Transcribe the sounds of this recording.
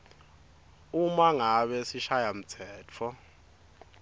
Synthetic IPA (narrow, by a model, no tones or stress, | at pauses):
umaŋaɓɛsiʃajam̩t͡sʰɛːt͡fʰɔ